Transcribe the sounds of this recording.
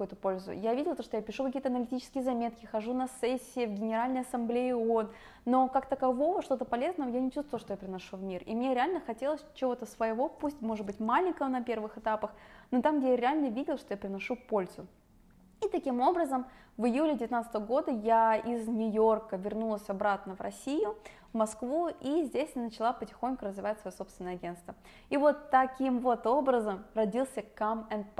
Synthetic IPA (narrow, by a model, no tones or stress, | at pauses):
ojʊt̪əpolʲzʊ̰javʲidʲɪlˠət̪oʂt̪japʲɪʂukɐkʲijət̪əɐnəlʲɪtʲit͡ɕɪskʲɪjəzɐmʲe̞t̪kʲɪxɐʐunɐsɛsʲːɪɪvɡʲɪnʲɪɾalʲnəjɐsɐmblʲeɪon | no̞kakt̪əkɐvo̞vəʂt̪o̞t̪əpɐlʲe̞znəvəjanʲɪt͡ɕust̪vəlˠʂt̪ojapɾʲɪnɐʂuvmʲirḭmnʲeɾʲɪalʲnəxɐtʲe̞lˠəsʲt͡ɕɪvo̞t̪əsvəjɪvo̞pusʲtʲmo̞ʐɨd̪bɨtʲmalʲɪŋʲkəvənɐpʲe̞rvɨxɨt̪apəxnot̪amɡ̚dʲejaɾʲɪalʲnəvʲidʲɪlˠʂt̪ojapʲɾʲɪnɐʂupo̞lʲzʊ | it̪ɐkʲimo̞bɾəzəmvɨjulʲɪdʲɪvʲɪt̪nat̪st̪əvəɡo̞d̪əjaiznʲʊjo̞rkəvʲɪrnulˠəsʲɐbɾat̪nəvrɐ̰sʲijʊ | vmɐskvuizʲdʲesʲnət͡ɕɪlˠapətʲɪ̥xonʲkʊɾəzvʲɪvatʲsvɐjosopst̪vʲɪnəjɐɡʲe̞nt̪t̪və | ivo̞t̪ːɐkʲimvo̞t̪o̞bɾəzəmrɐdʲilˠsʲəkamɛnp